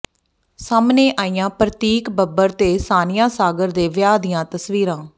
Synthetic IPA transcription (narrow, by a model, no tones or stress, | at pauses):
saːmneːʔaːijãːpɾət̪iːkbəbəɾt̪eːsaːnɪjãːsaːɡəɾd̪eːʋɪjaːd̪ɪjãːt̪əsʋiːɾãː